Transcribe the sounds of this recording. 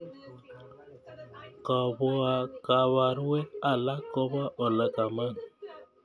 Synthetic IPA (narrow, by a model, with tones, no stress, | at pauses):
kɔ˨bo˦a˨ka˨βa˨ɾwe˦ka˨la˦kːɔ˦ba˦ʔɔ˨lə˨ka˨ma˦˨n